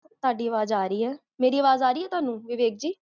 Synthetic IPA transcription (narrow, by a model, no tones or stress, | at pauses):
t̪ʊaːɖiːəʋaːzaːɾəiːɦɛː | meːɾiːəʋaːzaːɾiːɦɛːt̪ʊaːnũːʋɪʋeːk̚d͡ʒiː